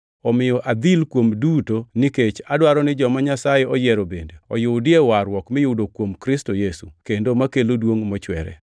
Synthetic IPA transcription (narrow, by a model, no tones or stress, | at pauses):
ɔmɪjɔʔad̪ilkwomdutoniket͡ʃadwaɾɔnɪd͡ʒɔmaɲasajɛɔjɛɾobendeɔjʊdɪewaɾwɔkmɪjʊdokwomkɾɪstojesukendomakelodwoŋmɔt͡ʃwɛ̰ɾɛ̰